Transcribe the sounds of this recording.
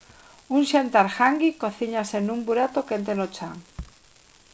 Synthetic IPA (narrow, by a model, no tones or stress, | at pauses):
uŋʃant̪aɾxaŋɡikoθiɲasenumbuɾat̪okent̪enot͡ʃaŋ